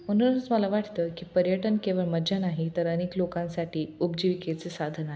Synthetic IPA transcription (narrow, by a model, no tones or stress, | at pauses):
mən̤unət͡sməlaʋaʈʰt̪əkiːpəɾjəʈənkeʋəɭməd͡ʑanaɦit̪əɾəneklokãnsaʈʰiːupd͡ʑiʋiket͡sesad̪ʱənaɦe